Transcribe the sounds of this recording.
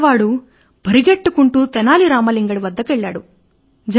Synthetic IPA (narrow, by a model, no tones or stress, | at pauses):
ʋaːɽu | bʱɐɾiɡeʈːukuɳʈut̪ɛnaːliɾaːmɐliŋɡɐɽiʋɐd̪ːɐkʋeɭːa̰ːɽu | d͡ʒɐ